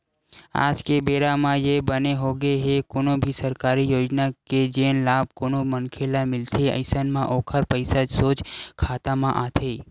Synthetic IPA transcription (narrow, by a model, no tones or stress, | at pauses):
a̰ːd͡ʒkebeːɾamãjebəneɦoːɡeɦekoːnõbʱisəɾkaːɾijoːd͡ʒnaked͡ʒeːnlaːb̚koːnomənkʰeːlamɪlt̪ʰeə̰ɪsənmãʔoːkʰəɾpəɪsad͡ʒsoːt͡ʃkʰaːt̪amãʔaːt̪ʰeː